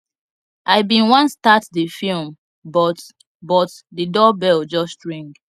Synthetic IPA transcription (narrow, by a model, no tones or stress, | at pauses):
ʔaɪbĩnwãnstatdəfilm | bɔt | bɔtdədɔbɛld͡ʒɔstɹĩŋɡ